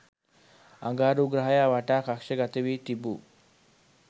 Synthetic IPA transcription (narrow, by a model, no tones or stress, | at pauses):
a̰ŋɡaːɾuːɡɾaɦajaːʋaʈaːkakʃəɡat̪əʋiːt̪ibṵː